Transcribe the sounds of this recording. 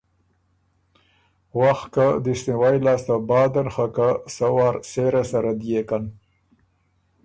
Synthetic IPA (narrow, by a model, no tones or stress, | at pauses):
waxkad̪isniwajlɑːst̪abɑːd̪anxakasawɑːɾseɾasaɾad̪jekan